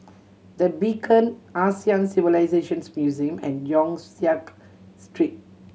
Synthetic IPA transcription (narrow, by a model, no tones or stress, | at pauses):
d̪əbikʰə̃nasiãnsivilaɪzeʃə̃nsmjuziə̃mɛ̰̃njɔ̃ŋsiak | sʈɹit̚